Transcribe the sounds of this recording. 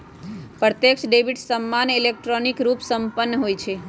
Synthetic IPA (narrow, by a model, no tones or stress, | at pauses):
pɾət̪jəkʃɖebiʈsəmːanilek̚ʈɾonikɾupsəmpənːəɦojt͡ʃʰe